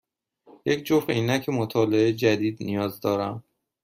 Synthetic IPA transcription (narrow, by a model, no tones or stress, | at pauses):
jecʰd͡ʒofʁeiːnæcʰemot̪ʰɒːleed͡ʒæd̪iːd̪nijɒːzd̪ɒːɾæm